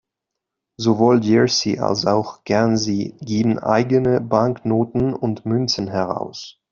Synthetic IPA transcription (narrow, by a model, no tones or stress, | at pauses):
zovoːldɛɹsiʔa̰lsaʊxɡ̥ɛɐnziːɡeːbm̩ʔa̰ɪɡənəbaŋknoːtn̩ʊntmʏnt͡sn̩ɦɛʁ̞a̰ʊs